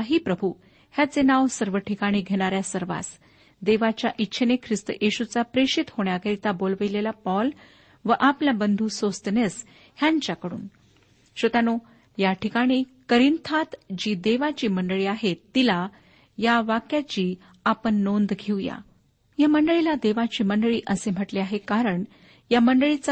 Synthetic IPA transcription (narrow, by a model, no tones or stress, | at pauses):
ɦiːpɾəbʱu | hjat͡senaʋsəɾʋəʈʰikaɽ̃iɡʱeɽ̃aɾjasəɾʋa̰s | d̪eʋat͡ɕjaʔitːɕʰənekʰɾist̪ə̰ʔiɕut͡sapɾeɕit̪hoɳjakəɾit̪abolʋilelapɔl | ʋəʔapljabənd̪ʱuːsost̪nes | hjãɲt͡ɕakəɽṵːn | ɕʋət̪ano | jaʈʰikaɽ̃ikəɾint̪ʰat̪d͡ʑiːd̪eʋat͡ɕiːməɳɖɭiːaɦet̪ːila | jaʋakjat͡ɕiː | apəɳːond̪ɡʱewja̰ | jaməɳɖəɭilad̪eʋat͡ɕiːməɳɖəɭiːʔəsem̤əʈliaɦekaɾəɳ | jaməɳɖəɭit͡s